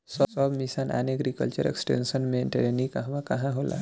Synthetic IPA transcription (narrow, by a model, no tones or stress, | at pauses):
sɔsɔbmisanʔɛ̰neɡɾikəlt͡ʃəɾḛksʈḛːnsənmẽʈeɾenikaɦʋakɐɦãɦoːla̰